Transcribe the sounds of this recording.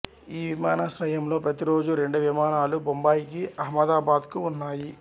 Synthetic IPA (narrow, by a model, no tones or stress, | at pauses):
iːʋimaːnasʋɐjɐmlo̞ːpɾɐt̪iɾo̞ːd͡ʒuɾe̞ɳɖuʋimaːnaːlubombaːjik̬iʔɐɦmɐd̪aːbaːd̪kuːnːaːji